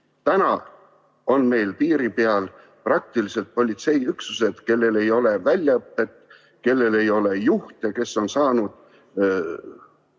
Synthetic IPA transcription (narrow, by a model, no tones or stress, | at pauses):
t̪ænɑ | o̞nme̞jlpiːɾipeɑl | prɑk̚t̪ilise̞lt̪̚po̞lʲit̪se̞jyksuse̞d̪̥ke̞lːele̞jo̞le̞vælʲjɑɤpːe̞t̪ːˑ | ke̞lːe̞le̞jo̞le̞juht̪ɑke̞so̞nsɑːnud̪̥